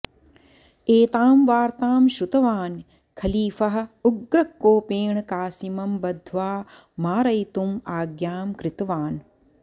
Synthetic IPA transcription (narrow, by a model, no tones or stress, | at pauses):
eːt̪aːmʋaːɾt̪aːmʃut̪ɐʋaːn | kʰɐliːfɐɦɐ̆uɡɾɐkːoːpeːɳkaːsimɐmbɐd̪ʱʋaː | maːɾɐjt̪umaːɡjaːmkɾɪt̪ɐʋaːn